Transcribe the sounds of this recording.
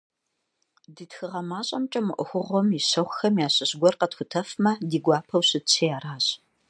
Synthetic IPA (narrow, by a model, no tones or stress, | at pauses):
diːtxɨʁɐmaːɕʼɐmt͡ʃʼɐmɨʔʷʊxʷʊʁʷɔmiɕɐχʷxɐmjaːɕʼɪɕɡʷɔrqɐtxʷʊtʰɐfmɐdiːɡʷaːpʰɐwɕɨt͡sʰijaːraːɕʼ